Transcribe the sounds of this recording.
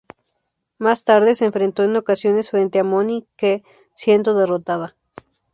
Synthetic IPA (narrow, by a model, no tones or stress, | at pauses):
mast̪aɾðeseːɱfɾe̞nt̪o̞eno̞kasjo̞ne̞sfɾe̞nt̪eamonike | sje̞nd̪oðerot̪aða